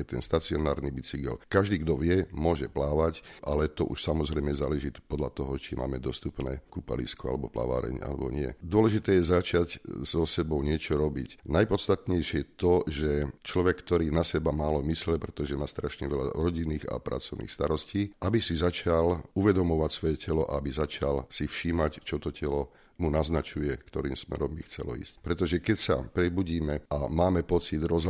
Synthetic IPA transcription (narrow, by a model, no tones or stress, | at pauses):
ɛt̪ɛnst̪at͡siɔnaːɾnibit͡siɡɛ̰lkaʒd̪iːɡd̪ɔʋɪɛmʊɔʒɛplaːʋacʔalɛt̪ɔ̰ʔuʃsamɔzɾɛjmɛza̰ːlɛʒit̪pɔd̪ʎat̪ɔɦɔt͡ʃima̰ːmɛd̪ɔst̪upnɛ̰ːkupa̰lḭskua̰lɛbɔpla̰ʋa̰ːɾɛ̰ɲʔa̰lɛ̰bɔ̰ɲɪɛ̰d̪ʊɔlɛʒit̪ɛːjɛzat͡ʃaczɔsɛbɔʊɲɪɛt͡ʃɔɾɔbḭcnajpɔt̪st̪at̪ɲɛjʃɪɛjɛt̪ɔʒɛt͡ʃlɔʋɛkːt̪ɔɾiːnasɛbamaːlɔmislɛpɾɛt̪ɔʒɛmaːst̪ɾaʃɲɛʋɛʎa̰ɾɔɟinːiːɣa̰pɾʔa̰t͡sɔʊnḭxst̪aɾɔsciːʔabisizat͡ʃaluʋɛd̪ɔmɔʋacsʋɔjɛcɛlɔʔa̰abizat͡ʃalsifʃiːmact͡ʃɔt̪ɔcʰɛlɔ | munaznat͡ʃujɛkt̪ɔɾiːmsmɛ̰ɾɔmbixt͡sɛ̰lɔ̰ḭːsc̚pɾɛt̪ɔʒɛkɛcsa̰pɾɛbuɟiːmɛamaːmɛpɔt͡sid̪ɾɔz